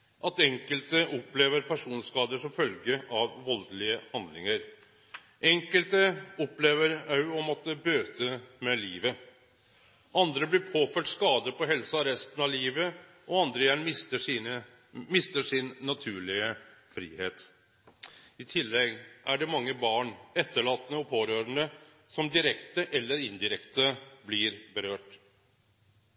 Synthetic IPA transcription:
ʔɑt̪ɛŋkəlt̪əʔɔpleːʋəɾpʰæʂuːnskɑːd̪əʂɔmfœlɡəʔɑʋʋɔld̪əlɪəhɑnd̪lɪ̰ŋəɾ | ʔɛŋkəlt̪əɔpleːʋəɾɑʉɔmɔt̪ːəbøːt̪ʰəmɛliːʋə | ʔɑnd̪ɾəblɪɾpʰoːføːʈskɑːd̪əpɔɦɛlsəɑɾɛst̪ən̩ɑliːʋə | ʔɔɑnd̪ɾəjæɳɪsəə | mɪst̪əʂɪnːɑt̪ʰʉːɭɪəfɾḭːheːt̪ | ɪt̪ʰɪlːɛɡʔæɖɛmɑŋːəbɑːɳɛt̪ːəɭɑːt̪nəɔpʰoːɾøːɾənə | sɔmd̪ɪɾɛkt̪əʔɛlːəɾɪnd̪ɪɾɛkt̪əblɪɾbəɾøːʈ

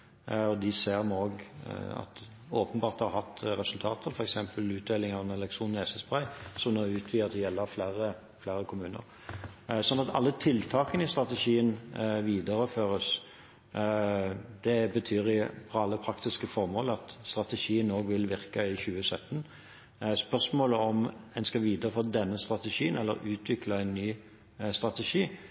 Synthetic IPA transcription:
ɔd̪ɪseːɾmoːɡɑ̰t̪ | oːpənbɑːʁt̪hɑɾhɑt̪ːɾɛsʉlt̪ʰɑːt̪ʰəɾfɔɾɛksɛmpəlʉːt̪̚d̪eːlɪŋɑʋɛnɛlɛkt̪ʁuːnɛːsəsbʁæʏsɔmnoːʉːt̪ʰʋiːɑt̪d̪ɛjɛlːəɾflæːɾə | flæɾəkʰʊmʉːnə̰ɾ | sɔnːɑt̪ʰɑ̰lːət̪ʰɪlt̪ʰɑːkənɪst̪ʁɑt̪ɛʃiːənʋiːd̪əɾəføːʁəs | d̪̥ɛbət̪ʰyːʁɪfɔɑlːəpʰɾɑkt̪ɪskəfɔʁmoːləɑt̪st̪ɾɑt̪əʃiːənoːɡʋɪlʋɪʁkəɪçʉːəsœt̪ːən | spœʁsmoːləɔmɛnskɑʋiːd̪əʁəføːd̪ɛnːəst̪ɾɑt̪əʂiːənɛlːə̰ɾʉːt̪ʰʋɪklɑæɛɪnːyː | st̪ʁɑt̪ɛʂiː

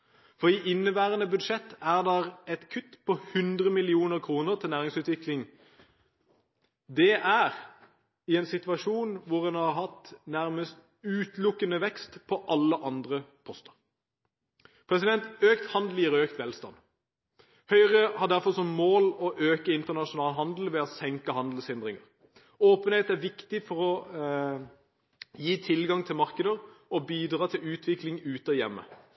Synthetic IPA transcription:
fɔʁiʔɪnːəʋæːʁənəbʉd̪ʂɛt̪ːæʁd̪ɛʁɛt̪kʰʉt̪ːpʰɔhʉnd̪ʁəmɪlɪuːnəɾkʰʁuːnəɾt̪ʰɪlnæːʁɪŋsʉːt̪ʋɪklɪŋ | d̪ɛʔæːʁ | ɪɛnsɪt̪ʋɑʂuːnʋʊʁɛnɑʁɦɑt̪næʁməst̪ | ʉːt̪lʊkːənəʋɛkst̪pʰɔʔɑlːəʔɑnd̪ʁəpʰɔst̪ə̥ʁ | pʰʁɛsɪd̪ɛnt̪øːkt̪hɑnd̪l̩ɪʁøːkt̪ʋɛlst̪ɑ̰n | hœʏʁəhɑd̪æʁfɔʁsɔmmoːlɔʔøːkəɪnt̪əʁnɑʃʊnɑːlɦɑnd̪l̩ʋɛɔsɛŋkəɦɑnd̪l̩shɪnd̪ʁɪŋəʁ | oːpəneːt̪æʁʋɪkt̪ɪfɔɾɔ | jiːt̪ʰɪlɡɑŋt̪ʰɪlmɑʁkəd̪əʁɔbiːd̪ʁɑːt̪ʰɪlʉːt̪ʰʋɪklɪŋʉːt̪ɔjɛmːə̰

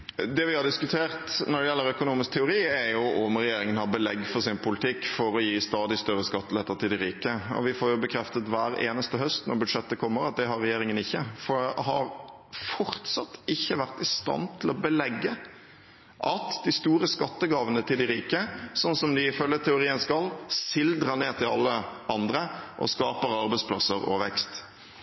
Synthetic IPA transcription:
d̪ɛʋɪhɑɾd̪ɪskʉt̪ʰeːɾt̪nɔɖ̪ɛjɛlːəɾœkʊnuːmɪsk̚t̪ʰɛʊɾiːɛɾjʊɔmɾɛjeːɾɪŋənhɑɾbəlɛɡːfɔɾsɪnpʰʊlɪt̪ʰɪkːfɔɾɔjiːst̪ɑːd̪ɪst̪œɾːəskɑt̪ːəlɛt̪ːəɾt̪ʰɪld̪ɪɾiːkəɔ̰ʋɪfoːɾjʊbəkʰɾɛft̪ət̪ʋæːɾḛːnəst̪əɦœst̪nɔ̰ɾbʉd̪ʂɛt̪ːəkʰɔmːəɾɑt̪̚d̪ɛɦɑɾɛjeːɾɪŋənɪçːəfɔɦɑɾ | fɔɾt̪sɑt̪ːɪçːəʋæʁt̪ɪst̪ɑ̰nt̪ʰɪlɔbəlɛɡːə | ʔɑt̪d̪ɪst̪uːɾəskɑt̪ːəɡɑːʋənət̪ʰɪld̪ɪɾiːkəsɔnːsɔmd̪ɪɪfœljət̪ʰɛʊɾiːənskɑlsɪld̪ɾəneːt̪ʰɪlɑlːəʔɑnd̪ɾəʔɔ̰skɑːpəɾɑɾbɛɪspʰlɑsəɾɔ̰ʋɛkst̪

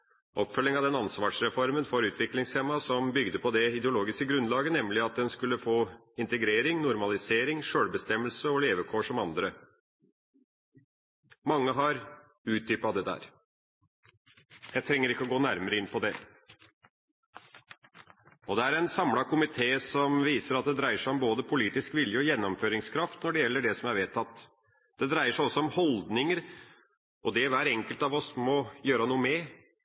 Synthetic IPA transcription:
ʔɔpfœlːɪŋɑʋd̪ɛnɑnsʋɑːʂɾɛfɔɾmənfɔɾʉːt̪ʰʋɪklɪŋsɛmːɑsɔmbʏɡd̪əpʰɔd̪ɛɪd̪ɛʊloːɡɪskəɡɾʉnlɑːɡənɛmlɪɑt̪̚d̪ɛnskʉlːəfoː | ɪnt̪əɡɾeːɾɪŋnʊɾmɑlɪseːɾɪŋʂøːɽbəst̪ɛmːəlsəɔleːʋəkʰoːʂɔmɑnd̪ɾə | mɑŋːəɦɑɾ | ʉːt̪̚d̪yːpɑd̪ɛd̪æ̰ːɾ | jæɪt̪ʰɾɛŋːəɾɪkːəɔɡoːnæɾməɾəɪnːpʰɔd̪ɛ | ɔd̪ɛæɾɛnsɑmlɑkʊmɪt̪ʰeːsɔmʋiːsəɾɑt̪̚d̪ɛd̪ɾæɪəʂæɪɔmboːd̪əpʰʊliːt̪ɪskʋɪljəɔjɛnːɔmføːɾɪŋskʰɾɑft̪nɔɖɛjɛlːəɖɛsɔmæɾʋeːt̪ʰːɑt̪ː | d̪̥ɛd̪ɾæɪəʂæɪɔsːɔɔmhɔld̪nɪŋəɾ | ʔɔd̪ɛʋæːɾɛŋkəlt̪ɑʋɔsmɔjøːɾənuːəmɛ

